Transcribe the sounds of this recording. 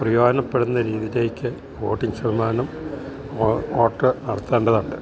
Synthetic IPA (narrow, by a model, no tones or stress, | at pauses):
prɐjoːdɐnɐpːeɽunːɐɾiːðile̞ːkʲːɨ | ʋo̞ːʈːiŋɡsɐrmaːnum | oːʈrɨnɐɽɐt̪ːeːɳɖɐðuɳɖɨ̰